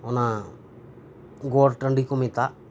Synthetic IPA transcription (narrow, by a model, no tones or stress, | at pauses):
ɔna | ɡoːɾʈəɳɖikomit̪a